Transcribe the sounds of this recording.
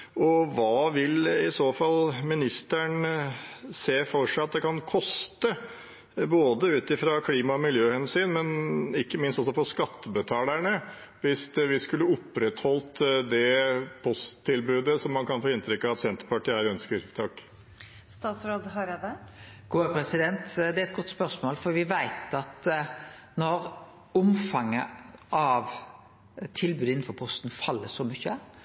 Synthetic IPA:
ɔʋɑːʋɪlɪsoːfɑlmɪnɪst̪æɳ | seːfɔʂæɑt̪̚d̪ɛkʰɑnkʰɔst̪ə | boːd̪əʉːt̪ɪfɾɑkʰliːmɑɔmɪljøːhɛnsyːnmɛnɪkːəmɪnst̪ɔsɔfɔʂkɑt̪ːəbət̪ʰɑːlæɳə | ʋɪsʋɪskʉlːəɔpːɾɛt̪hɔlt̪d̪ɛpʰɔst̪ʰːɪlbʉːd̪əsɔmːɑnkʰɑnfoːɪnt̪ʰɾʏkːɑʋɑt̪sɛnt̪ə̥ɾpɑʈɪæɾœnskəɾt̪ʰɑkː | st̪ɑːt̪sɾoːd̪ɦɑɾɛd̪ɛ | ɡ̥uːəpʰɾɛsɪd̪ɛnt̪d̪ɛæɾɛt̪̚ɡɔt̪ːspœɾsmoːlfɔɾʋɪʋæɪt̪ɑt̪ | nɔɾ | ʊmfɑŋːəʔɑʋ | t̪ʰɪlbʉːd̪ɪn̩ːfɔɾpʰɔst̪n̩fɑlːəsɔmʏçːə

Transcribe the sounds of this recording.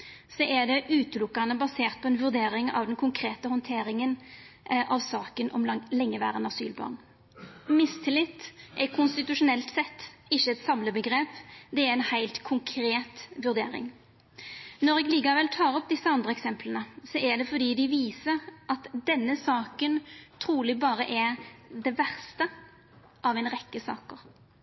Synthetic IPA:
sɔʔɛd̪ɛʔʉːt̪əlʊkːɑnəbɑseːʁt̪̚pʰɔɛnʋʉʁd̪eːɾɪŋɑ̰ʋd̪ɛnkʰʊŋkʰɾeːt̪əhɔnt̪ʰeːɾɪŋənʔɑʋsɑːkənʔɔ̰mlɛŋːəʋæ̰ːʁənɑsy̰ːlbɑ̰ːʁn | mɪst̪ʰɪlɪt̪ːʔɛkʰʊnst̪ɪt̪ʉʂʊnɛlt̪sɛt̪ːɪçːəɛt̪sɑmləbəɡʁeːpd̪ɛæɾɛɪnhæɪlt̪kʰʊŋkʰɾeːt̪ʋʉɾd̪ḛːɾɪ̰ŋ | nɔɾɛɡliːkɑʋɛlt̪ʰɑːɾɔp̚d̪ɪsːəɑnd̪ʁəɛksɛmpʰlənəsɔʔæɖ̪ɛfɔd̪iːd̪ɪʋiːsəʁʔɑt̪d̪ɛnːəsɑːkənt̪ʰɾuːlɪbɑːɾəʔɛɾd̪ɛʋæʁst̪ə | ʔɑʋɛɪnʁɛkːəsɑ̰ːkəɾ

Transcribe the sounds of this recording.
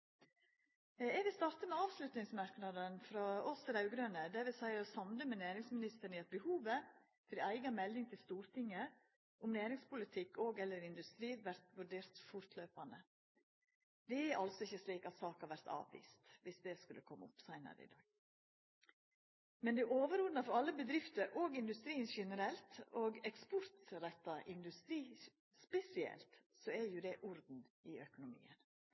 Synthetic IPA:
ɛʋɪst̪ɑːɾt̪əmɛɑːʋslʉt̪nɪŋsmɑɾknɑd̪ənfɾɑɔsɾɑʉɡɾøːnəd̪æʋɪsæɪɾɔsɑmd̪əmɛnæːɾɪŋsmɪnɪst̪əɳiɛt̪̚bəhuːʋə | fɔɾæɪɡɑmɛlːɪŋt̪ʰɪlst̪uːɾt̪ʰɪŋːə | ʔʊmnæːɾɪŋspʊlɪt̪ʰɪkːoːɡɛlːəɾɪnd̪ʉst̪ɾiːʋæɾt̪ʋʉɾɖeːɾt̪fʊɾt̪ʰløːpɑnə | d̪ɛɛʔɑlsɔɪçːəsliːkɑt̪sɑːkɑʋæɾt̪ɑ̰ːʋʋḭːst̪ʋɪsd̪ɛskʉlːəkʰɔmːə̰ʊpsɑɪnɑ̰d̪ə̰ɪ̰d̪ɑːɡ̥̚ | mɛnd̪ɛʔoːʋəɾʊd̪nɑfɔɾɑlːəbəd̪ɾɪft̪əɾʔoːɡɪnd̪ʉst̪ɾiːnʃɛnəɾɛlt̪oːɡɛkspɔɾt̪ɾɛt̪ːɑʔɪnd̪ʉst̪ɾiː | spɛsɪɛ̰lt̪sɔɛɾjʊd̪ɛʔɔɾd̪n̩ɪœkʊnʊmḭːən

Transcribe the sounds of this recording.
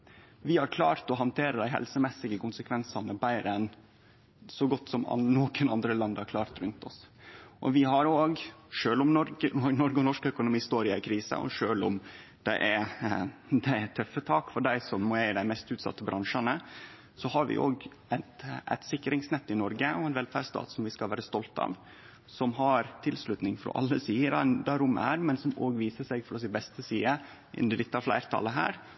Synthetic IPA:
ʋɪhɑɾkʰlɑ̰ːɾt̪ɔɦɑnt̪ʰeːɾəd̪æɪɦɛ̰lsəmɛsɪɡəkʊnsəkʰʋɛnsɑnəbæɪɾəɛn | sɔɡɔt̪ːsɔm̰noːkənɑnd̪ɾəlɑnd̪əhɑɾkʰlɑːɾt̪ɾʉnt̪ɔ̰sʔɔ̰ʋɪɦɑɾoːɡʂøːlʊmnɔənɔɾɡəɔnɔʂkœkʊnʊmiːst̪oːɾɪæɪkʰɾiːsə̰ʔɔ̰ʂøːlʊmd̪̥ɛ̰ʔæ | d̪ɛɛt̪ʰœfːət̪ʰɑːkfɔɖæɪsɔmːɔæd̪æɪmɛst̪ʉːt̪sɑ̰t̪ːəbɾʔɑŋʂɑnə | sɔhɑɾʋɪ̰ʔoːɡ | æt̪ʔæ̰ɪt̪sɪkːɾɪŋsnɛt̪ːɪnɔɾɡəʔɔɛnʋɛlfæɖst̪ɑ̰ːt̪sɔmʋɪskɑlʋæːɾəst̪ɔlt̪ɑ̰ːʋ | sɔmɦɑɾt̪ʰɪlslʉt̪nɪŋfɾɔ̰ːʔɑ̰lːəsiːəɾɑd̪æɾʊmæːɾmɛnsɔmoːɡʋiːsəsɛɡfɔɾɔsɪbɛst̪əsiːə | ʔɪ̰nd̪əd̪ɪt̪ːɑflæ̰ɪɾt̪ʰɑ̰ləɦæ̰ːɾ

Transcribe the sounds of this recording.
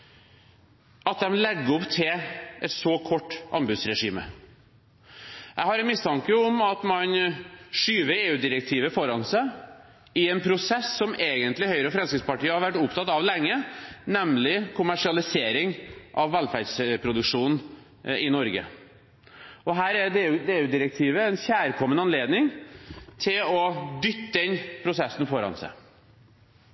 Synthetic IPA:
ɑt̪̚d̪ɛmlɛɡːəɔpt̪ʰɪlɛt̪sɔkʰɔʈːʔɑ̰nbʉd̪sɾɛʂiːmə̰ | ʔæɪhɑɾɛmɪst̪ʰɑŋkəɔmɑt̪mɑnʂyːʋəɾeːʉːd̪ɪɾɛk̚t̪ʰiːʋəfɔɾɑnsæɪ | ɪɛnpʰɾʊsɛsːɔmeːɡənt̪lɪhœʏɾəɔfɾɛmskɾɪt̪spɑʈiːəhɑɾʋæʈːʊpt̪ʰɑt̪ɑʋlɛŋːənɛmlɪkʰʊmæʂɪɑlɪseːɾɪŋʔɑʋːælfæɖspʰɾʊd̪ʉkʂuːnn̩ | ɪnɔɾɡə̰ | ɔɦæːɾɛd̪eːʉd̪eːʉːd̪ɪɾɛk̚t̪ʰiːʋəɛnçæːɾkʰɔmːənəɑnleːd̪nɪŋt̪ʰɪlɔd̪ʏt̪ːədɛnpʰɾʊsɛsn̩fɔɾɑ̰nsæ̰ɪ

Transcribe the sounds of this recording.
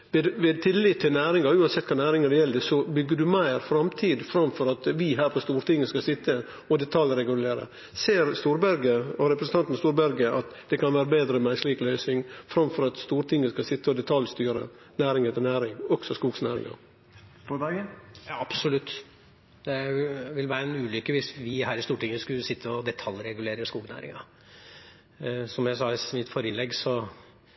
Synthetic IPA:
ʋɛd̪ʋɛd̪̚t̪ʰɪlːɪt̪ʰːɪlnæːɾɪŋɑʉːɑnsɛt̪̚ːkʰɑːnæːɾɪŋɑd̪ɛjɛlːəd̪əsɔbʏɡːəɖʉmæɪɾfɾɑmt̪ʰiːd̪fɾɑmfɔɾɑt̪ʋɪɦæːɾpʰɔst̪uːɾt̪ɪŋːəskɑsɪt̪ːə | ɔd̪ɛt̪ʰɑlɾɛɡʉleːɾə̰ | seːɾst̪uːɾbæɾɡəɔɾɛpɾəsən̩t̪ɑnt̪n̩st̪uːɾbæɾɡəʔɑt̪d̪̥ɛkɑnʋæːɾəbeːd̪ɾəmæɪsliːklœʏsɪŋfɾɑmfɔɾɑt̪st̪uːɾt̪ʰɪŋːəskɑsɪt̪ːəɔd̪ɛt̪ʰɑljst̪yːɾə̰ | næːɾɪŋət̪ənæːɾɪŋɔksɔskuːɡsnæːɾɪ̰ŋɑ̰ | fd̪ɑɡjɑɑb̥sɔlʉt̪ː | d̪̥ɛʋɪlʋæːɾəɛnʉːlʏkːəʋɪsʋɪhæːɾɪst̪uːʈɪŋːəskʉlsɪt̪ʰːəɔd̪ɛt̪ʰɑlɾɛɡʉleːɾəskuːɡnæ̰ːɾɪ̰ŋɑ | sɔmjæɪsɑːsmɪt̪fɔɾəlɛɡːsɔ

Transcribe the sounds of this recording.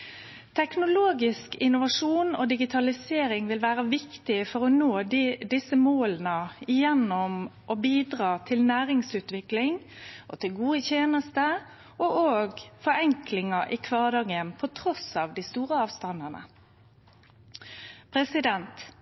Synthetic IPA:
t̪ʰɛknʊloːɡɪskɪnʊʋɑʂuːno̰ːd̪ɪɡɪt̪ʰɑlɪseːɾɪŋʋɪlʋæːʁəʋɪkt̪ɪfɔʁɔnoːd̪ɪsəmoːlənəɪjɛnːʊmʔɔbiːd̪ʁɑːt̪ʰɪlnæːʁɪŋsʉːt̪ʋɪklɪŋ | ʔɔ̰t̪ʰɪlɡuːəçeːnəst̪ə | ʔɔʔoːɡfɔɾɛŋklɪŋɑʔɪkʰʋɑːʁd̪ɑːɡənpʰɔt̪ʰɾɔsɑːʋd̪ɪst̪uːʁəɑːʋst̪ɑnənə̰ | pʰɾɛsɪd̪ɛnt̪

